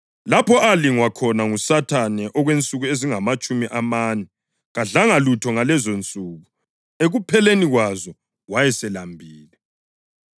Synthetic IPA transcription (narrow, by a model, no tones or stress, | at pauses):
lapʰɔʔaliŋwakʰɔnaŋusatʰanɛʔɔɣwent͡sʼuɣueziŋamat͡ʃʼumiʔamanɛ | ɣaɮaŋalutʰɔŋalɛzont͡sʼuːɣu | eɣupʰɛleniɣwazɔ | wajɛsɛlambʱiːlɛ